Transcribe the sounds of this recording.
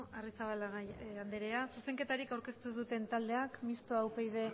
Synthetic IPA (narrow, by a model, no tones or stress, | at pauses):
arisaβalaɣand̪eɾe̞asuse̞ŋke̞t̪aɾikawɾke̞st̪uðut̪e̞nt̪ald̪e̞akmist̪oawpejð̞e̞